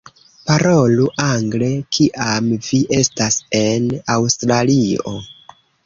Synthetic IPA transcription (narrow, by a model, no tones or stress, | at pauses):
paɾo̞luʔaŋɡle̞kʰiʔamviʔe̞stase̞nawstɾalio̞